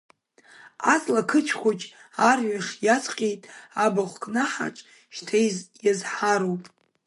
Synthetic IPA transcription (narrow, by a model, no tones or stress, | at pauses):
at͡sʼlakʰɨt͡ʃʰkʷʰot͡ʃʼarɥaχʲjat͡sʰʼqʲʼejtʼabaχʷkʼnaħa̰ʈ͡ʂʼ | ʃtʰajzjazħaɾowpʼ